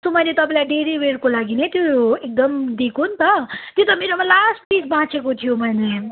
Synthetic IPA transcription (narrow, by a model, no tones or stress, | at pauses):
somʌjnet̪ʌpãlajɖeɾibeɾkolaɡinet̪joek̚d̪ʌmd̪ikʰunt̪ʌt̪jot̪ʌmeɾomalasʈ̚pisbãt͡sʰekot̪ʰijomʌjne